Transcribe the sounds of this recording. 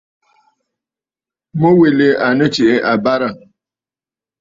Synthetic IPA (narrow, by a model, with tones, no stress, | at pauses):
mo˦we˨le˨a˨nə˦t͡ʃɪ˨e˦ʔa˨ba˦ɾa˨